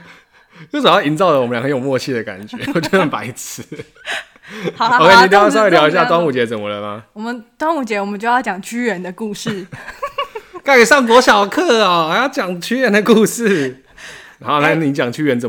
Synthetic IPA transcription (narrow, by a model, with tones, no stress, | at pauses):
t͡ɕjo˥˩sə˨˩jɑ˥˩i˧˦nt͡sɑ˥˩ʊd̪ə˨wmə˦nlŋxə˧˦jo˨˩mwɔ˥˧t͡ɕʰi˥˩d̪ə˩ka̰˨˩nt͡ɕɥɛ˧˦wɔ˨˩t͡ɕo˥˩xə˨˩npa˧˥ɪt͡s̩ʰ˧˦ | o˦kʰe˥˩˨ni˨˩ljswljɑ˧˥ʊi˧˥ɕja˥˧ʈ͡ʂwɑ˥˦ŋu˨˩t͡ɕjɛ˧˥t͡sə˨˩mə˨lə˨ma˨˦wɔ˨˩mə˦ntwɑ˥ŋu˨˩t͡ɕjɛ˧˥wɔ˨˩mə˨˦t͡ɕo˥˧jɑ˥˩t͡ɕjɑ˨˩ŋt͡ɕʰy˥ɥɛ˧˦nd̪ə˨ku˥˧ʂɻ̩˥˩ | ka˥ɪy˨˩sɑ˥˩ŋkwɔ˧˥ɕjɑ˨˩ʊkʰɤ˥˩a˨˩˨jɑ˥˩ʊt͡ɕjɑ˨˩ŋt͡ɕʰy˥ɥɛ˧˦nd̪ə˨ku˥˧ʂɻ̩˥˩ | na˧˦˥nxo˥˧ʊna˥˩˥ni˧˥t͡ɕjɑ˨˩ŋt͡ɕʰy˥ɥɛ˧˦nt͡sə˨˩